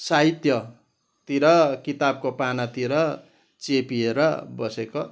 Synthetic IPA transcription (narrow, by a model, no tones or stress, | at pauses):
saɦit̪jʌ | t̪iɾʌkit̪ab̚kopanʌt̪iɾʌ | t͡sepieɾʌbʌseko